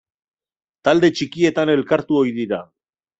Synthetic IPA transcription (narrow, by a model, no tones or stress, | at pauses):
t̪ald̪e̞t͡ʃikie̞t̪ane̞lkaɾt̪uo̞jðiɾa